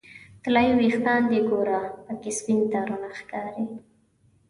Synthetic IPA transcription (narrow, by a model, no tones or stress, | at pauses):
t̪lajiwixt̪ɑnd̪eɡoɾapəkɪsbint̪aɾunaxkɑːɾi